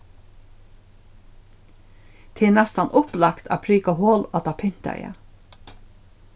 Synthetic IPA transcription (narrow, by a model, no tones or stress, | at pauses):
t̪ʰɪːnɛst̪ɑnʔʊplɑkt̪ʰæ̰ːpʰɾyːkɑhoːlɑt̪ɑpʰɪn̥t̪ɑ̰ʏə̰